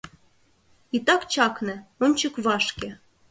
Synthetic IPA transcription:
it̪ɑkt͡ɕɑknĕont͡ɕəkβɑʃke

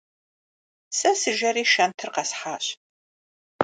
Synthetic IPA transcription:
sɐsɨʒɐɾiːʃɐntʰɨrqɐsħaːɕ

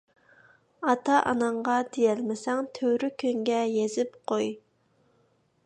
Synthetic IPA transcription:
ɑt̪ʰɑʔɑ̰nɑɴʁɑd̪ejɛlmɪsɛŋt̪ʰøwɾykʲʰøŋɡʲɛjezɪpqʰoj

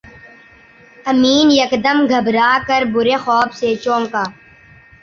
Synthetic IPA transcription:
ɐmiːnjəkd̪əmɡʱəbɾaːkəɾbʊɾeːxɔːbseːt͡ʃõːŋkaː

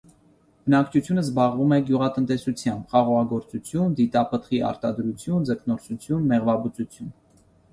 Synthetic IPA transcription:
b̥ənɑkt͡ʃʰut͡sʰjunəzbɑʁvumɛɡjuʁɑt̪ənt̪ɛsut͡sʰjɑmbχɑʁɔʁɑɡɔɾt͡sut͡sʰjund̪it̪ɑpʰət̪χiʔɑ̰ɾt̪ɑd̪ɾut͡sʰjund͡zəkʰnɔɾt͡sʰut͡sʰjunmɛʁvɑbut͡sut͡sʰjun

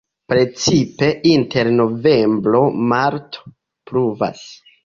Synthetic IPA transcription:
pɾe̞t͡sipe̞ʔinte̞ɾno̞ve̞mbɾo̞maɾto̥ | pɾuva̰s

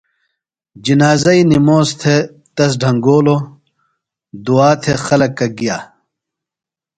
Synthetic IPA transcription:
d͡ʑinaːzɐinimoːst̪ʰe | t̪ɐs̬ɖʱɐŋɡoːlo | d̪uaːt̪ʰexɐlɐkːɐɡijaː

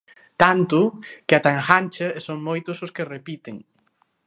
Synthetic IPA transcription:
t̪ant̪ʊkɪat̪aŋxanʲt͡ʃaesoŋmojt̪ʊsʊskɪrepit̪ɪŋ

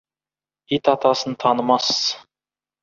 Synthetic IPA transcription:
it̪ɑt̪ɑsənt̪ʰɑnəmɑsəz̥

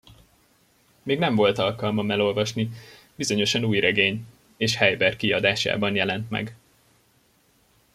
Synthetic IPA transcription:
meːɡnɛɱvo̞lt̪ɒlkɒlmɒmɛlo̞lvɒʃni | bizo̞ɲo̞ʃɒnuːjrɛɡeːɲ | eːʃhɛjbɛrkiɒd̪aːʃa̰ːbɒnjɛlɛnt̪mɛ̰ɡ

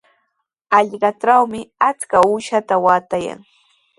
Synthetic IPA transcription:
ɑʎɢɑʈ͡ʂawmɪat͡skauːʃat̪awaːt̪aja̰ŋ

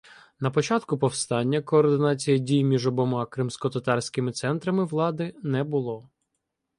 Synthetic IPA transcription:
nɐpɔt͡ʃɑt̪kʊpɔwst̪ɑnʲːɐkɔːrd̪ɪnɑt͡sʲijɐdʲijmʲiʒɔbɔmɑkɾɪmsʲkɔt̪ɐt̪ɑrsʲkɪmɪt̪sɛnt̪ɾɐmɪʋlˠɑd̪ɪnɛbʊlˠɔ

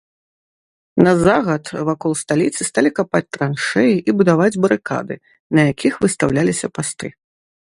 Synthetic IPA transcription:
nɐzaɣɐt̪vakɔlˠst̪alʲit̪sɨst̪alʲikapat͡sʲt̪ɾanʂɛjiʔibud̪avad͡zʲbɐɾɨka̰d̪ɨ | nɐjakʲʰixvɨst̪awlʲalʲisʲɐpast̪ɨ

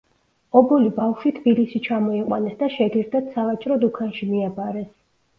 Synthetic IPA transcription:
ɔbulibafʃwit̪ʰbilisit͡ʃʰamɔiqʼwa̰nɛsd̪aʃɛɡiɾd̪at̪savat͡ʃʼɾɔd̪ukʰanʃimiabaɾɛs

